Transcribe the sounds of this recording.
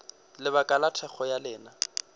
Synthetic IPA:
lɪβakʼalatʰɛχɔjalɪːna

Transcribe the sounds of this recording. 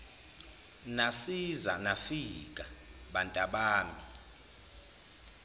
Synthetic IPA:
nasiza̰nafik̬ʼaɓantʼaɓaːmi

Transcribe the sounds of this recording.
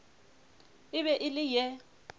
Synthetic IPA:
ɪβɛʔɪlɪjɛ

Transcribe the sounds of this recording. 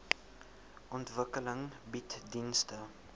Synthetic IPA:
ʔɔntvəkələŋbitdinstə

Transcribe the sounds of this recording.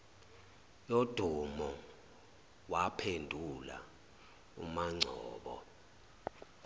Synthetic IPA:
jod̥ʱumɔ | wapʰendʱula̰ | ṵmaŋ͡ǀʱɔ̰ːɓɔ̰

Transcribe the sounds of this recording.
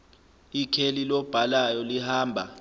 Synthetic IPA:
ikʰelilɔb̥ʱalajɔlihaːmbʱa̰

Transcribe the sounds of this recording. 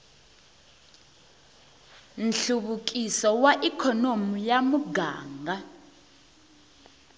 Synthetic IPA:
nɬuɓuk̬ʼisɔwaʔikʰɔnomujamuɡa̰ːŋɡʱa

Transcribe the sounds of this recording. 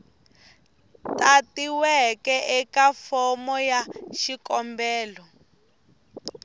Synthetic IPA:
tatiwɛkɛʔɛkafɔmɔjaʃikɔmbɛːlɔ

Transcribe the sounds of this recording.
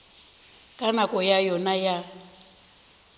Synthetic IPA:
kʼanakʼɔjajɔnaja

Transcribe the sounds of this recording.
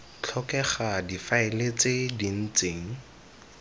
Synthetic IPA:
t͡ɬʰɔkɛχadifaɪlet͡sedin̩t͡seːŋ̩

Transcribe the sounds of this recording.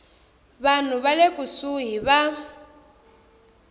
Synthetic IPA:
βan̤uβalekʼusuɦiβa

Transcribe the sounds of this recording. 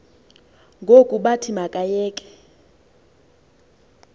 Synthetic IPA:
ŋɡʱokʼuɓatʰimakʼajɛːkʼɛ̥

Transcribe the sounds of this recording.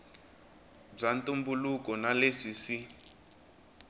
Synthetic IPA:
b͡ʐantʼumbulukɔnalesisi

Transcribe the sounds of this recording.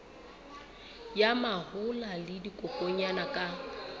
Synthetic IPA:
jamahʊlalɪdikʼɔkʼoɲanakʼa

